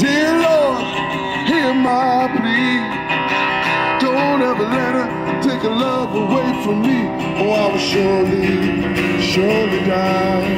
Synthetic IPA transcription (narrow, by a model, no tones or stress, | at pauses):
d̥ɪlɔd | himaɪpʰɹi | d̥õʊ̃nɛvə˞lɛɾ̚ə | tʰeɪkəlʌvəweɪfɹʌ̃mːi | ə˞aɪwʃɔɹli | ʃɔlida